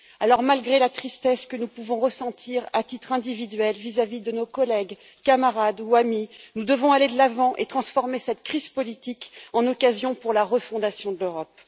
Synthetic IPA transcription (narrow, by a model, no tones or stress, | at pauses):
alɔʁmalɡʁelat̪χist̪ɛskənupuvɔ̃ʁəsɑ̃t̪ʰiʁat̪it̪χɛ̃d̪ivid̪ɥɛlvizavid̪ənokɔlɛɡ | kamaʁad̪uaminud̪əvɔ̃aled̪əlavɑ̃ʔet̪χɑ̃sfɔʁmesɛt̪kχiz̥pɔlit̪ikɑ̃nɔkazjɔ̃puʁlaʁəfɔ̃d̪asjɔ̃d̪əløʁɔp̚